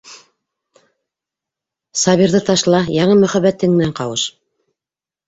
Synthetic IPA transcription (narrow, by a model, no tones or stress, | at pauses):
sɑβiɾðɤt̪ɑʃlˠɑjɑɴɤmɵ̆χæβæt̪ːɘŋmɘ̆næɴqɑwɤʃ